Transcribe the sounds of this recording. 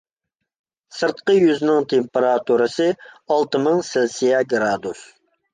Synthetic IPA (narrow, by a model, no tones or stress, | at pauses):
sɨɾt̪̚qəjyznɪŋt̪ʰempeɾɑt̪ʰuɾɨsɨɑlˠt̪ɨmɨŋsɪlsijɛɡɾɑd̪us